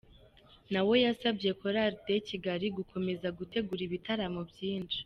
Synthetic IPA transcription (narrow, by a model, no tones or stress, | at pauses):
nawo̞jasabje̞ko̞ɾaɾde̞ciɡaɾiɡukʰo̞me̞zaɡute̞ɡuɾiβitaɾamobjiːnd͡ʒi